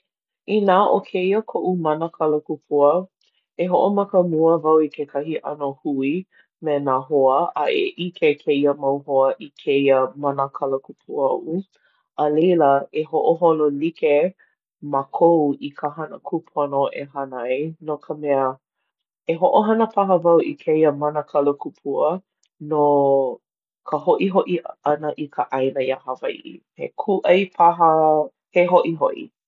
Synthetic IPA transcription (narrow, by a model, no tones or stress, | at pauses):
inaːʔokʰeiəkʰoʔumɐnəkʰɐləkupʰuə | eɦoʔomɐkəmuəvɐwikʰekʰɐhiʔɐnohui | menaɦoəʔaʔḛʔikʰekʰeiəmawɦoəʔikʰeiəmanəkʰɐləkupʰuaʔu | əlejləeɦoʔoɦololike | makʰowikʰəɦɐnə̰kʰupʰonoʔḛɦanjnokʰəmɛə | eɦoʔoɦɐnəpɐɦəvɐwʔikʰeiəmɐnəkʰɐlokupʰuə | no | kʰəɦoʔiɦoʔiɐnəʔikʰəʔajnəjahavajʔḭ | hḛkʰuʔɐjpʰaɦə | heɦoʔiɦoʔḭ